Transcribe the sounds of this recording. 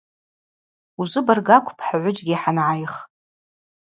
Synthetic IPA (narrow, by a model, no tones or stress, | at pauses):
uzʷʊbarɡakʷʰpʰħaʕʷʊd͡ʒʼɡʲiħanʕajχ